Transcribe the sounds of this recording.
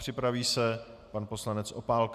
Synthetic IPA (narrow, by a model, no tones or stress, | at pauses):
r̥ɪpɾaviːsɛpanposlanɛt͡sʔo̞̰paːlk